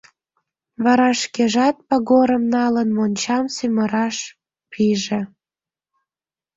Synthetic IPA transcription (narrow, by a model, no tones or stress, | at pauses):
βɑɾɑʃkeʒɑt̪̚pɑɣoɾəmnɑlənmonʲt͡ɕɑmsyməɾɑʃ | pʰiʒe